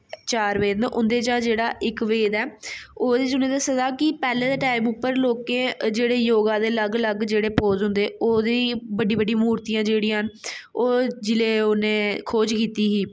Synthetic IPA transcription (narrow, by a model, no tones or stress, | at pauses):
t͡ʃaːɾʋeːd̪nʔʊ̰nd̪eːt͡ʃãːd͡ʒeːɽaːʔɪkʋeːd̪ɛːoːd̪eːt͡ʃʊnẽːd̪asəzaːkɪpɛːlẽːd̪aːʈaːimʊpːəɾloːkeːd͡ʒeːɽeːjoːɡãːd̪eːləɡləɡd͡ʒeːɽeːpoːzɦʊ̃nd̪eːoːd̪eːbəɖiːbəɖĩmuːɾt̪ijãːd͡ʒeːɽiːãːnoːd͡ʒɪleːoːnẽːkʰoːd͡ʒkiːt̪iːɦiː